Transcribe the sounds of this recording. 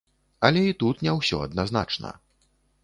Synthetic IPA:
ɐlʲɛit̪ut̪nʲɛwsʲɔ̰ɐ̰d̪nazna̰t͡ʂnɐ̰

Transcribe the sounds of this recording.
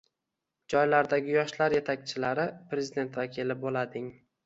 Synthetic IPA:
d͡ʒɒjlaɾd̪aɡʲɪjɒʃlaɾje̞t̪ʰakʲt͡ʃʰɪlaɾɪpɾe̞zid̪e̞nt̪vakʲʰilɪbolad̪ɪŋ

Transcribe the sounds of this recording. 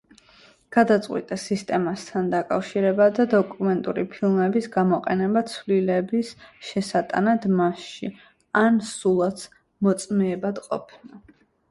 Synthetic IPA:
ɡ̥ad̪at̪sʼqʼwḭt̪ʼasist̪ʼɛmast̪ʰand̪akʼa̰fʃiɾɛbad̪ad̪ɔkʼumɛnt̪ʼṵɾipʰilˠmɛbisɡamɔqʼɛnɛbat̪sʰvlilɛbisʃɛsat̪ʼa̰nad̪maʃʃi | ansulˠat̪sʰ | mɔt̪sʼmɛːbad̪qʼɔ̰pʰna

